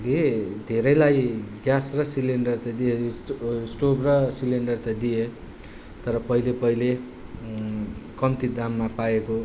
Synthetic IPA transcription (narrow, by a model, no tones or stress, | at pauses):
led̪ʱeɾʌjlajɡjasrʌsileɳɖʌrt̪ʌd̪iessʈobrʌsileɳɖʌrt̪ʌd̪ije | t̪ʌɾʌpʌilepʌile | kʌmt̪id̪amːapaeko